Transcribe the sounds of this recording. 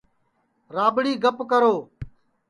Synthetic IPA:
ɾaːbɽiːɡəpkəɾoː

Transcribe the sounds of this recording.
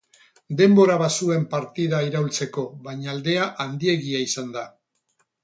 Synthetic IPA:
d̪e̞mbo̞ɾaβasue̞mpaɾt̪iðaiɾault͡se̞ko̞βaɲaːld̪e̞aʔand̪ie̞ɣiaisand̪a

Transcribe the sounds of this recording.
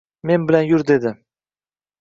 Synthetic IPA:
me̞nbɪlanjʊɾd̪e̞d̪ɪ

